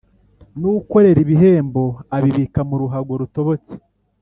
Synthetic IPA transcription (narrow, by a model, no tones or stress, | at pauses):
nuɡuko̞ɾe̞ɾiβiɦe̞ːmbo̞aβiβikamuɾuɦaɡwoɾuto̞βot͡si̥